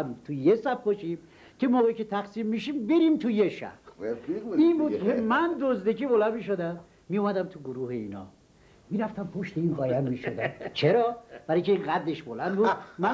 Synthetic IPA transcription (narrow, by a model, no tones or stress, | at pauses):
t̪ʰujesæb̚boʃim | cʰemoːɣekʰʲet̪ʰæɣsiːmːiʃiːmbeɾimt̪ʰujeʃæ̰b | mimud̪kʰemænd̪ozd̪ekibolæmiːʃod̪æmː | ijumæd̪æmt̪ʰuɡoɾuːheiːnɒ̰ː | miːɾæft̪æmpʰoʃt̪einɣɒːjæmmiʃod̪æmt͡ʃʰeɾɒːb̥æɾijkʲʰeinɣæd̪leʃbolænd̪bumæ